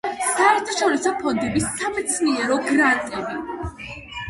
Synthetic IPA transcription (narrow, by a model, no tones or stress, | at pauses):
saɛɾt̪ʰaʃɔɾisɔpʰɔnd̪ɛbisːamɛt̪sʰniɛɾɔɡɾant̪ʼɛbi